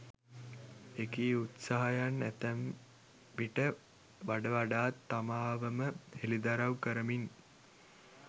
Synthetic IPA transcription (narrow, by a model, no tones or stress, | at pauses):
ekiːut̪saɦajanːæt̪æm | ʋiʈə | ʋaɖəʋaɖaːt̪ːamaːʋəməhelid̪aɾawkəɾəmin